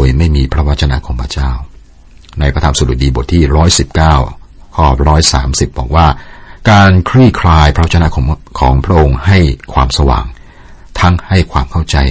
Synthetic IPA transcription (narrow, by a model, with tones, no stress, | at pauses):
o˧jma˥˩jmiː˧pʰɾa˦˥wa˦˥t̪̚t͡ɕʰa˧na̰˧˥kʰo˧mpʰɾa̰˧t͡ɕaː˥˩w | na˧jpʰɾa˧t̪ʰaː˧msu˨˩du˨˩t̚diː˧bo˨˩t̪ʰːiː˥˩ɾɔː˦˥jsi˨˩p̚kaː˥˩wkʰɔː˥˩ɾɔː˦˥jsa̰ː˩˦msi˨˩p̚bɔː˨˩k̚waː˥˩kaː˧nkʰɾɯ˥˩kʰɾaː˧jpʰɾa˦wa˥t͡ɕa˧na˧˥kʰkʰɔː˩˦ŋpʰɾa˦˥ʔo˧ŋha˥˩jkʰwaː˧msa˧wa̰ː˨˩˦ŋ | t̪ʰa˦˥ŋha˥˩jkʰwaː˧mkʰa˥˩wt͡ɕa˧j